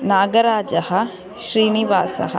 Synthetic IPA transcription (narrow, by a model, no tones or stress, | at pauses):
naːɡɐɾaːd͡ʒɐhɐ̆ | ʃɾiːniʋaːsɐ̰ɦɐ̰